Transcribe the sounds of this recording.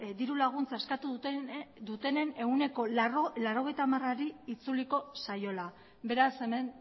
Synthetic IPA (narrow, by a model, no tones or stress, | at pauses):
d̪iɾulaɣ̞unt͡saeskat̪u | d̪ut̪e̞ne̞ne̞une̞ko̞laɾo̞ɣe̞jt̪aːmaraɾiit͡suliko̞sajo̞la | be̞ɾase̞men